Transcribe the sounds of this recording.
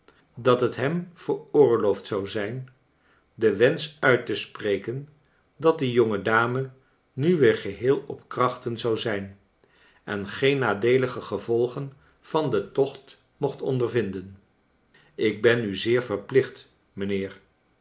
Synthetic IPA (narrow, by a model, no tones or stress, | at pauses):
dɑtɦətɦɛmv̥əɹʊːɹlowftsɑwzɛjn | dəʋɛnsœɥtəsprejkən | dɑt̚dijɔŋədaːmə | nyʋɪːɹχəɦɪːlˠɔpkrɑχtənzɑwzɛjn | ʔɛnχejnːaːdejləχəχəvɔlˠχən | v̥ɑndətɔχt | mɔχtɔ̰ndəɹvɪndən | ɪɡ̚bɛnyzɪːɹvəɹplɪχt | mənɪːɹ